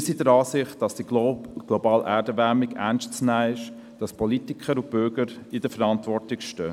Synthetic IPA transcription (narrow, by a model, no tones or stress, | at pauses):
sidəɾɑːsɪχt̚d̥ɑsd̥iɡ̥lɔbɑːlʔæːɾdəʋæmɪɡæ̰nstt͡snæːɪʃ | d̥ɑspʰɔlitɪkʰəɾʊb̥ʏɾɡəɾɪd̥əfəɾɑntʋɔɹtɪkʃtø